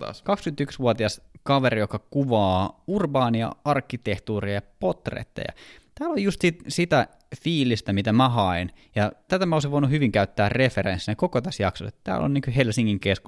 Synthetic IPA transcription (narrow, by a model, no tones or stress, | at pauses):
t̪ɑ̰kɑkskynt̪yksʋuot̪iɑskɑʋerijokɑkuʋɑːurbɑːniɑ̰ɑrkːit̪eht̪uːriɑjɑpot̪rḛt̪ːɑ̰jɑ̰t̪æːlojust̪sit̪sit̪æ | fiːlist̪æmit̪æmæɦɑinjɑt̪æt̪æmæoˑsiʋʋoinuhyʋiŋkæyt̪ːæːrreferensːinekokot̪æsjɑksoset̪t̪æ̰ːlo̰nniŋkyhelsiŋːiŋkesku